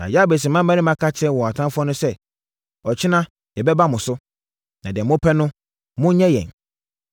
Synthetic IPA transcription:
nã̰˨ja˦be˨s̬ĩ˨mã˦mːã˦nɪ̃˦mã˦kʰa˦t͡ɕʰɪ˦ɛ˦wɔ̃˨a˨tʰã˦fʊ˦ɔ˦nʊ̃˦sɛ˦ | ɔ˨t͡ɕʰɪ˦nã˦ | jɛ˨bɛ˦ba˦mʊ̃˨sʊ˦ | nã˨dɛ̃˨mʊ̃˦pʰɛ˦nʊ̃˦ | mʊ̃˦ɲɛ̃˦jɛ̰̃˨n

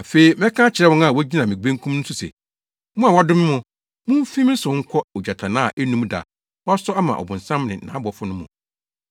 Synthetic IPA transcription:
a˨fe˦i˦mɛ̃˦kʰã˦t͡ɕʰɪ˨ɾɛ˦wɔ̃˦na˨wɔ˦d͡ʑi˦nã˨mɪ̃˨ɡ͡bẽ˦ŋkʰũ˦mñ̩˦su˦sɛ̰˨ | mʊ̃˦a˨wa˦dʊ˦mɪ̃˦mʊ̃˨ | mʊ̃˦m̩˦fĩ˦m˦n̩˦sʊ̃˨˦ŋ̩˦kʰɔ˦ɔ˨d͡ʑa˨tʰa˨nã˦˨ʔɛ˦nũ˦mda̰˨ | wɔ˦a˦sɔ˦a˦mã̰˨ʔɔ̰˨bʊ̃˨n˨sã˦mnɪ̰̃˨nã̰˨˦bɔ˨˦fʊ˦nʊ̃˦mʊ̰̃˨

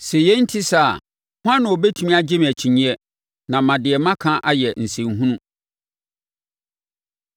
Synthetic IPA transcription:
sɛ˨jɛ˦n̩˦tʰi˦sa˦˨ | hʊ˦ã˦nːʊ̃˨o˨bɛ˦tʰu˨˦mĩ˦a˦d͡ʑɪ˦m˨æ˨t͡ɕʰĩ˨ɲĩ˦ɛ˦ | nã˨mã˨dɪ˨ɛ˨mã˦kʰã˦ʔa˦jɛ˨n̩˨sẽ˨ŋɦũ˦nũ˦

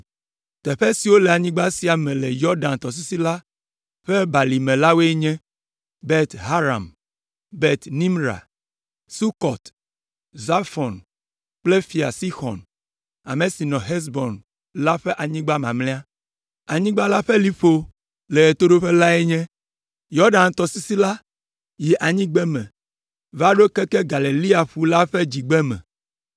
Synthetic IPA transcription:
t̪ɛ˨ɸɛ˦si˨wo˦lɛ˨a˨ɲĩ˦ɡ͡ba˦si˨a˨mɛ̃˨lɛ˨jɔ˦ɖã˨nt̪ɔ˨s̬i˦si˦la˦ | ɸɛ˦ba˨li˨mɛ̃˨la˦we˦e˦ɲɛ̃˦ | bɛ˦t̪ɦa˦ɾa̰˨m | bɛ˦t̪nĩ˦mɾa̰˨ | su˦kɔ˨t̪ | za˦fɔ˨n | k͡ple˦fi˨a̰˨si˦xɔ̰˨n | a̰˨mẽ˨si˨nɔ̃˨ɦɛ˦s̬bɔ˨n | la˦ɸɛ˦ʔa˨ɲĩ˦ɡ͡ba˦mã̰˨mlɛ̃˦a˦ | a˨ɲĩ˦ɡ͡ba˦la˦ɸɛ˦li˦ɸo˦ | le˨e˨t̪o˦ɖo˦ɸe˦la˦ɛ˦ɲɛ̃˦ | jɔ˦ɖa˨n˨t̪ɔ˨si˦si˦la˦ | ji˨ʔa˨ɲĩ˦ɡ͡bɛ˦mɛ̰̃˨ | va˦ɖo˦kɛ˦kɛ˦ɡa˨le˨li˦a˨ɸu˦la˦ɸɛ˦d͡ʑi˨ɡ͡bɛ˦mɛ̰̃˨

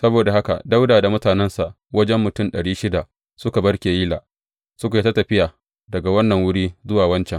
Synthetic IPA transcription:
sɐ˦boː˨da˨ha˦ka̰˨da˦wdaː˨da˨mʊ˦taː˨nɛ˦nsa˨ʔ | wɐ˦d͡ʒɛ˦mːʊ˨tʊ˦˨mɗɐ˨ɽiː˦ʃɪ˦da˨ | sʊ˦ka˨bɐ˦ɽkʲeː˨ji˦laː˨ | sʊ˦ka˨i˦ta˦tɐ˨ɸɪ˦jaː˨ | dɐ˨ɡa˨wɐ˦nːɐ˨ŋwʊ˦ɽiː˦zʊ˦waː˨wɐ˦nt͡ʃɛ˨ŋ

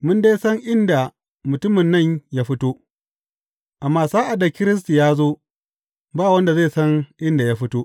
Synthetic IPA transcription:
mʊ˦ndeː˦sɐ˦ŋʔɪ˦nda˨ | mʊ˨tʊ˦mɪ˨nːɐ˦˨ɲjaː˦ɸɪ˦toː˦ | ʔa˨mːaː˦saː˦ʔa˨da˨kʲɪ˦ɾɪ˦s̬ti˨jaː˦zoː˦ | baː˦˨wɐ˦nda˨zeː˦˨sɐ˦ŋʔɪ˦nda˨ja˦ɸɪ˦toː˦ʔ

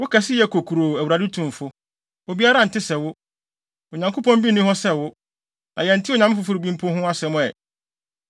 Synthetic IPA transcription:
wʊ˦kʰɛ˨sɪ˦jɛ˨˦kʰo˨kʰu˨ɾo˨æ˨wu˨ɾa˨dɪ˦tʰʊ̃˨m˨fʊ˦ | o˨bi˦a˦ɾa˦˨n̩˨tʰɪ˦sɛ˨wʊ˦ | o˨ɲã˨ŋkʰo˦pɔ̃˦m˦bi˦nʊ̃˦ɦɔ˦sɛ˦wʊ˦ | nʔã˨jɛ̃˨n̩˨tʰɪ˦o˨ɲã˨˦m˦fʊ˨˦fʊ˦ɾɪ˨˦bĩ˦m˦pʰʊ̃˦hʊ̃˦a˦sɛ˨mʊ̃˦ɛ˨

